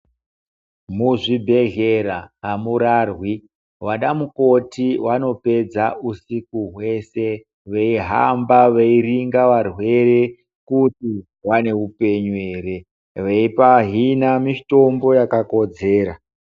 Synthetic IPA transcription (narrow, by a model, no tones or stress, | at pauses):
muʐibʱe̞ɮeɾaɦamuɾarwi | waɗamuko̞tiwano̞pe̞d͡zaʔusikuɦwe̞se̞ | ʋeiɦa̰mbaʋeiriŋɡaʋarwe̞re̞ | kuti | ʋane̞upe̞ɲueːre̞ | ʋeipaɦinamito̞mbo̞jakako̞d͡ze̞ːɾa